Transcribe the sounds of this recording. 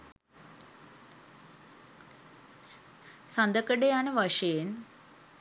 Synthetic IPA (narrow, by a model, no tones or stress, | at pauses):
sand̪əkəɖeanəʋaʂəjen